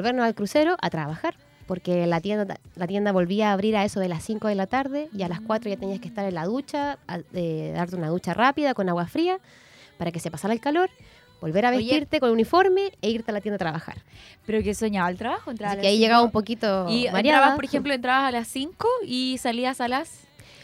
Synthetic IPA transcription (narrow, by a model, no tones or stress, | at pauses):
bolβeɾnosalkɾuse̞ɾo̞ʔat̪ɾaβaxaɾ | po̞ɾkelat̪jenlat̪je̞nd̪aβo̞lβiaːβɾiɾaesoðelasiŋko̞ðelat̪aɾðe̞ʝalaskwat̪ɾoʝat̪eniaskeht̪aɾenlaðut͡ʃaeðaɾt̪eunaðut͡ʃarʔapiðako̞naɣwafɾia | paɾake̞se̞pasaɾaelkalo̞ɾ | bo̞lβe̞ɾaβet̪iɾt̪ekonlunifo̞ɾmeːiɾt̪ealat̪jend̪at̪ɾaβaxa̰ɾpeɾokesweɲaβaelt̪ɾaβaxoent̪ɾasikeaiʝeɣaβaumpo̞kit̪oiβaɾjaɾaðaapoɾexemploent̪ɾaβasalasiŋkoisaliasalas